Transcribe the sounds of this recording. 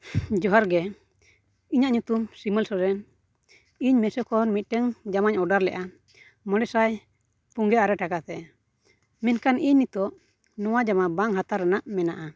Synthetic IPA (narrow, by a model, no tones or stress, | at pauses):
d͡ʒɔɦaɾɡɛ | iɲaʔɲut̪umsimɛlsɔɾɛn | iɲmɛsɔkɔɾmit̪̚ˀʈɛŋd͡ʒamaɲɔɖaɾlɛ̰ʔa | mɔɽɛsaj | puŋɡɛʔaɾɛʈakat̪ɛ | mɛnkaniɲnit̪ɔʔ | nɔwad͡ʒamabaŋɦat̪aɾːɛnaʔmɛnaʔa